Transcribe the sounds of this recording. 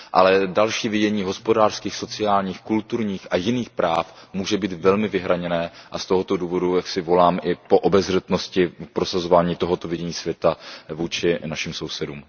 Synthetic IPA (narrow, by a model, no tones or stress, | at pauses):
ʔa̰lɛdalʃiːvɪɟɛɲiːɦo̞spo̞daːr̥skiːxso̞t͡sɪaːlɲiːxkult̪uɾɲiːxʔajɪniːxpɾaːfmuːʒɛbiːt̪vɛlmɪvɪɦɾaɲɛnɛːʔast̪o̞ɦo̞t̪o̞duːvo̞dujaksɪvo̞laːmʔɪpo̞ʔobɛzr̝ɛt̪no̞scɪpɾo̞sazovaːɲiːt̪o̞ɦo̞t̪o̞vɪɟɛɲiːsvjɛt̪avuːt͡ʃɪnaʃimso̞wsɛdṵːm